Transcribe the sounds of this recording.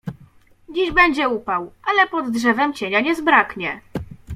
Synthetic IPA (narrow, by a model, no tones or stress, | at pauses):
d͡ʑiʑbɛɲd͡ʑɛupawʔalɛpɔd̪dʐɛvɛmt͡ɕeɲaɲɛzbɾakɲɛ